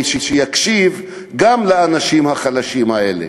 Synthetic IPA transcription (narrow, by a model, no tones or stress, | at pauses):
ʃeʃejakʃiv | ɡamlaanaʃimhaχalaʃimaelḛ